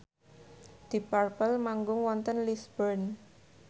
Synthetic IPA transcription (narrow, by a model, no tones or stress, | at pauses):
d̪̥i̤parpəlmaŋɡʊŋwɔnt̪ənlisbərn